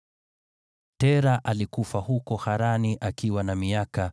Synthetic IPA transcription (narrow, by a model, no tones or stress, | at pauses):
tɛɾaʔalikufahukɔhaɾaniʔakiwanamiaka